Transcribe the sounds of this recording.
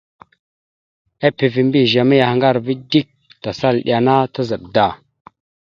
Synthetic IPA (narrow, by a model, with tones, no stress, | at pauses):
a˦pi˨vi˨mbi˦˨ʒa˨mi˦ja˨hŋɡa˦˨ɾvi˦di˦k̚ta˨sa˦lɗ̰ʲa˨na˦ta˦za˨b̚da˦˨